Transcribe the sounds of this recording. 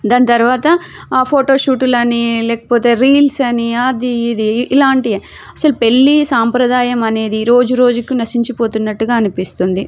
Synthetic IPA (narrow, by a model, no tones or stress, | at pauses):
d̪aːnit̪ɐɾuʋaːt̪ɐ | pʰoːʈo̞ːʃuːʈulɐnilɛːkɐ̥poːt̪e̞ːɾiːlsɐniaːd̪iːd̪iʔilaːɳʈi | ɐsɐlupe̞ɭːisaːmpɾɐd̪aːjɐmɐne̞ːd̪iɾo̞ːd͡ʒuɾo̞ːd͡ʒukinɐsiɲt͡ʃɐpo̞ːt̪unːɐʈːuɡaːɐnupist̪und̪i